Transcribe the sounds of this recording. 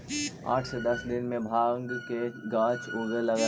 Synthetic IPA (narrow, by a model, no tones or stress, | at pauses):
a̰ːʈʰsed̪ɐsd̪ɪnmẽbʱaːŋɡkeɡãːt͡ʃoːɡəɾlɐɡa